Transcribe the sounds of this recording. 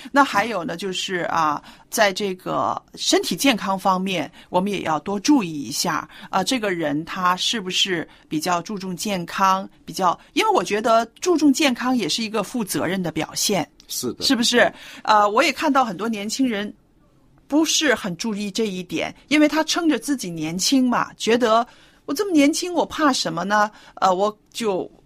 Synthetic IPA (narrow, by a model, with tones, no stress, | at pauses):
na˥˩xa˧˥ɪjo˨˩ʊnə˦t͡ɕjo˥˧ʊʂɻ̩˥˩ə̰˧˩t͡sa˥˧ɪʈ͡ʂɤ˥˩ɡə̰˩ʂə˥nt̪ʰi˨˩t͡ɕjɛ˥˩nkʰɑ˥ŋfɑ˥ŋmjɛ˥˩nwɔ˨˩mə˦njɛ̰˨˩jɑ˥˩ʊt̪wɔ˥ʈ͡ʂu˥˧i˥˩ḭ˧˥ɕja̰˥˩ə˧ʈ͡ʂɤ˥˩ɡə˩ɻə˧˥nt̪ʰa˥ʂɻ̩˥˩bu˩ʂɻ̩˥˩ | pi˨˩t͡ɕjɑ˥˧ʊʈ͡ʂu˥˧ʈ͡ʂʊ˥˧ŋt͡ɕjɛ˥˩nkʰɑ˥ŋpi˨˩t͡ɕjɑ˥˩ʊi˥nwe˥˩ɪwɔ˨˩t͡ɕɥɛ˧˥d̪ə˧ʈ͡ʂu˥˧ʈ͡ʂʊ˥˧ŋt͡ɕjɛ˥˩nkʰɑ˥ŋjɛ˨˩ʂɻ̩˥˩i˧˥ɡə˧fu˥˩t͡sɤ˧˥ɻə˥˩nd̪ə˩pjɑ̰˨˩ʊɕjɛ˥˩nʂ̩˥˩ʂɻ̩˥˩bu˩ʂɻ̩˥˩ə˧wɔ˧˥jɛ˨˩kʰa˥˧nt̪ɑ˥˩ʊxə˨˩nt̪wɔ˥njɛ˧˥nt͡ɕʰi˥ŋɻə˧˥n | pu˧˥ʂɻ̩˥˩xə˨˩nʈ͡ʂu˥˧i˥˧ʈ͡ʂɤ˥˧i˥˩t̪jɛ̰˨˩˦ni˥nwe˥˩ɪt̪ʰa˥ʈ͡ʂʰɤ˥ŋʈ͡ʂə˨t͡sɹ̩˥˩t͡ɕi˨˩njɛ˧˥nt͡ɕʰi˥ŋmɐ̰˩t͡ɕɥɛ˧˥d̪ə˧˦ | wɔ˨˩t͡sə˥˩mə˩njɛ˧˥nt͡ɕʰi˥ŋwɔ˨˩pʰa˥˩ʂə˧˥nmə˧nə˧˩ə˧wɔ˨˥ | t͡ɕjo˥˩ʊ